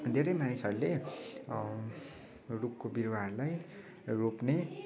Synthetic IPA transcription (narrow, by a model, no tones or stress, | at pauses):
d̪ʱeɾʌjmanisʌɾule | rupkobiɾwaɦʌrulaj | ropne